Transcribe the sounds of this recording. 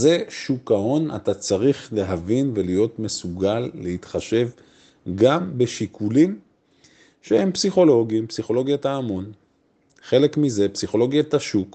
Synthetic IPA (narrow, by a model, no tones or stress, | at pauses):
ze̞ʃukao̞na̰tat͡saʁiχle̞ɦavinve̞lijo̞tme̞suɡalːeit̪χaʃe̞v | ɡambe̞ʃikʰulim | ʃehe̞mpsiχo̞lo̞ɡimpsiχo̞lo̞ɡjataːmo̞n | χe̞le̞kmize̞psiχo̞lo̞ɡjataʃuk